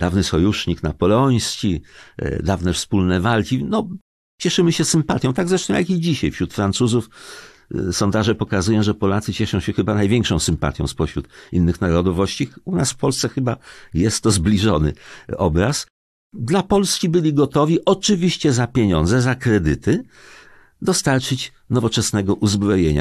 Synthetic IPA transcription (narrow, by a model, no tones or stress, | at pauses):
d̪avnɘsɔjuʂɲiknapɔlɔj̃skʲid̪avnɛfspulnɛvalkʲinɔ | t͡ɕɛʂɘmɘɕɛsɘmpat̪ʲjɔ̃w̃t̪aɡzɾɛʂt̪ɔ̃w̃jakid͡ʑiɕajfɕɾut̪fɾant̪suzuf | sɔnd̪aʐɛpɔkazujɔ̃w̃ʐɛpɔlat̪sɘt͡ɕɛʂɔ̃w̃ɕɛxɘbanajvʲjɛŋkʂɔ̃w̃sɘmpa̰t̪ʲjɔ̰̃w̃spɔɕɾut̪inːɘxnaɾɔd̪ɔvɔɕt͡ɕiunasfpɔlst̪sɛxɘbajɛst̪ːɔzblʲiʐɔnɘ̰ɔbɾas | d̪lapɔlskʲibɘlʲiɡɔt̪ɔvʲiʔɔt͡ʂɘvʲiɕt͡ɕɛzapʲjeɲɔ̰̃nd̪zɛzakɾɛd̪ɘt̪ɘ | d̪ɔst̪aɾt͡ʂɘt͡ɕ | nɔvɔt͡ʂɛsnɛɡɔʔuzbɾɔjeɲa̰